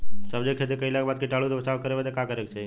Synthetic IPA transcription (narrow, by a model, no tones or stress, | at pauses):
səbd͡ʒekʰet̪̬ekəilakbad̪̚kiʈalut̪obət͡ʃaʋkəɾebed̪ekakəɾekt͡ʃʰe